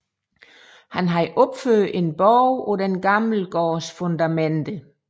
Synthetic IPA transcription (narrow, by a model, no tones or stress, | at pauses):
hænɦɑ̈ʔɔ̽b̥føːðˠe̝nb̥ɒʊɒ̽d̥enɡ̥ɑ̈ml̩ɡ̥ɒːsfɔnd̥æmend̥ə